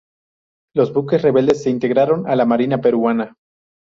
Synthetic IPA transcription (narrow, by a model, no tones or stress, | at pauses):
lo̞zbuke̞sre̞βe̞ld̪e̞sːe̞int̪e̞ɣɾaɾo̞nalamaɾinape̞ɾuana